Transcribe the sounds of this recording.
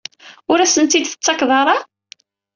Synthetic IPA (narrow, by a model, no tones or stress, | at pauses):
ʊɾæsənt̪id̪θə̥t͡sːɑkðˤɑɾˤɑ